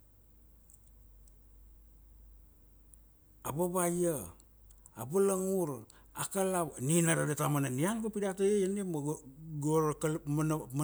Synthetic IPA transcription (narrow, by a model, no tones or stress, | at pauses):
abaβaja | abalaŋuɾ | akalaninaɾadatamananiankopidatajejanimɡɾkalmnm